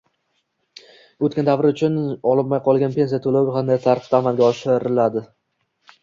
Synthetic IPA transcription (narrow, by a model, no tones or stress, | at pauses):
ɵt̪kʲand̪avɾɪʊt͡ʃʰʊnɒlˠɪpmajqʰɒlˠɡʲanpʰe̞nsijat̪ʰolawɪqʰand̪ajt̪ʰaɾqt̪aamalɡʲaɒʃɪɾɪlad̪ɪ